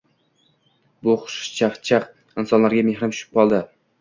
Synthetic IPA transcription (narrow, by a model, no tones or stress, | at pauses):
bʊχʊ̥ʃʃt͡ʃʰaχt͡ʃʰaq | ɪnsɒnlaɾɡʲamehɾamʃʊ̥ʃɪ̥p̚qɒlˠd̪ɪ